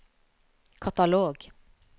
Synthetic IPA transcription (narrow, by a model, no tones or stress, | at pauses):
kʰat̪aloːɡ